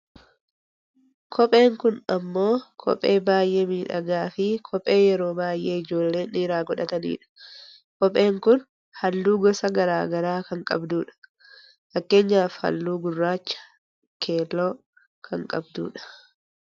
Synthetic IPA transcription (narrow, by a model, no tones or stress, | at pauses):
kʰɔpʼe̞ːŋkʊnɐmːo̞ːkʰɔ̰pʼe̞ːbaːjʔeːmiːᶑɐ̰ɡaːfɪkʰɔpʼːe̞ːjɛɾo̞ːbaːjʔe̞ːɪd͡ʒo̞ːlːe̞ːniːɾaːɡɔᶑɐt̪ɐnḭːᶑɐ̥ | kɔpʼːe̞ːŋkʊn | hɐlːuːɡɔsɐɡɐɾaːɡɐɾaːkɐŋkʼɐbd̪uːᶑɐ̥ | fɐkːe̞ːɲːaːfhɐ̰lːuːɡʊrːaːt͡ʃːɐ̥ | kʰeːlːo̞ː | kʰɐŋkʼɐbd̪ṵːᶑɐ̥